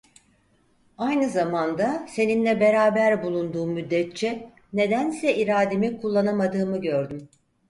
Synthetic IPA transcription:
ajnɯzamand̪ase̞ninlʲɛbe̞ɾaːbæɾbulˠund̪uːmːyd̪ːɛt̪̚t͡ʃʰɛ | ne̞d̪ænsɛʔiɾaːd̪emikʰulˠːanamad̪ɯːmɯɟøɾd̪ym

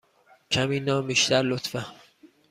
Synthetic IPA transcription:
cʰæmiːnɒːbiːʃt̪æɾlot̪fæ

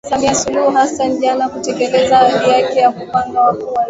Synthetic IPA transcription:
samiasuluhuɦasanʄanakutɛkɛlɛzaalijakɛjakupaŋɡawakuwa

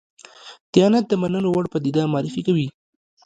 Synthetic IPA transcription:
t̪ɪjɑnat̪̚d̪əmanənowaɽpad̪id̪ɑmaɑɾɪfikawi

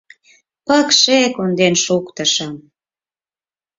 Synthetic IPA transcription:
pəkʃekond̪enʃukt̪ə̆ʃəm

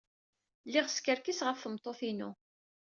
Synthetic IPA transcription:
lːɪʁskəɾkisʁəfːəmt̪ˤːoθinu

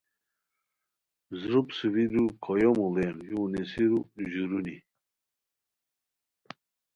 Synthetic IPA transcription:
zɾupsɨwid̪ukʰɔjomulenjunesiɾuʑuɾuni

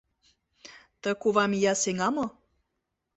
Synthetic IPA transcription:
t̪ə̆kuβɑmjɑseŋɑmo

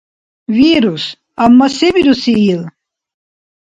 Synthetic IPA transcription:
viɾus | amːaseviɾusiil

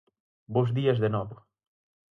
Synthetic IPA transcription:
bozðiɐzðenɔβ

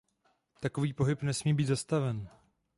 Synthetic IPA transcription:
t̪ako̞viːpo̞ɦɪpnɛsmiːbiːt̪zast̪avɛn

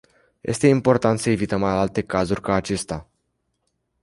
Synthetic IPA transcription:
jʔe̞̰st̪e̞impo̞rt̪ant̪səe̞vit̪əmaalt̪e̞kazurʲkaːt͡ʃe̞st̪a

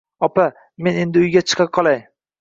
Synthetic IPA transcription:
ɒpa | me̞ne̞nd̪ɪʊjɡʲat͡ʃʰɨ̥qʰɑp̚qʰɒlˠaj

